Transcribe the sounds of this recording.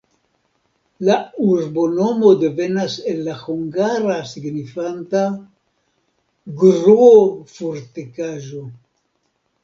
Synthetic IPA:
lauɾbo̞no̞mo̞de̞ve̞nase̞lːahuŋɡaɾasiɡnifanta | ɡɾuofuɾtikaʒo̞

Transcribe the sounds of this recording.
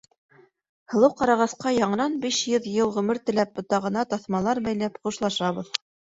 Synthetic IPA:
hɤ̆lˠɤwqɑɾɑʁɑsqɑjɑɴɤ̆nɑnbiʃjɤðjɤlˠʁɵ̆mɘ̆ɾt̪ɘ̆læp̚bŏt̪ɑʁɤ̆nɑt̪ɑθmɑlˠɑɾbæjlæpχuʃlˠɑʃɑβɤð

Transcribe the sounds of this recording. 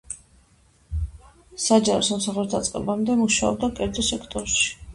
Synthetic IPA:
sad͡ʒaɾɔsamsaχusd̪at̪sʼqʼɛbamd̪ɛmuʃaɔ̰b̚d̪akʼɛɾd̪zɔsɛkʰt̪ʼɔɾʃi̥

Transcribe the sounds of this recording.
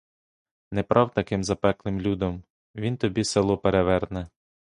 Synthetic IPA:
nɛpɾʔɑwt̪ɐkɪmzɐpɛklˠɪmlʲud̪ɐm | ʋʲint̪ɔbʲiselˠɔpeɾeʋɛrnɛ

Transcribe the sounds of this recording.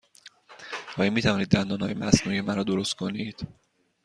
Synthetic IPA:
ɒːjimiːt̪ʰævɒːniːd̪̚d̪ænd̪ɒːnhɒːjemæsnuːemæɾɔːd̪oɾost̪̚kʰoniːd̪̥

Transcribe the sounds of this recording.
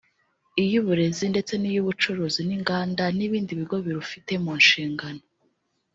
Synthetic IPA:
ijuβuɾe̞zinde̞t͡se̞nijuβut͡ʃuɾoziniŋɡaːndaniβiːndiβiɡo̞βiɾufite̞muːnʃiːŋɡano

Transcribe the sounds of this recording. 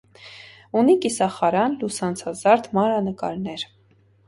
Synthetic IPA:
unikisɑχɑɾɑnlusɑnt͡sʰɑzɑɾt̪mɑɾɑnəkɑ̰ɾnɛɾ

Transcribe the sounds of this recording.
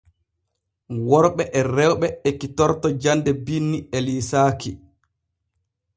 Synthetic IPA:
wɔɾɓɛʔɛɾɛwɓɛekːitɔɾtɔd͡ʒandɛbinːieliːsaːki

